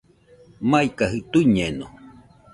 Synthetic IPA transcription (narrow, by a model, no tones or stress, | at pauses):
majkaɦɨt̪uiɲeno